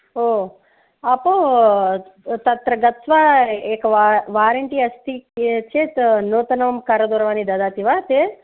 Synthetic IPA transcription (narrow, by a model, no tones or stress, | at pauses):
oː | ɐpoː | t̪ɐt̪ɾɐɡɐt̪ʋaːeːkɐaʋaːɾɐɳʈiɐst̪ikt͡ʃeːt̪noːt̪ɐnɐʋɐmkɐɾɐd̪uːɾɐʋaːnid̪ɐd̪aːt̪iʋaːt̪e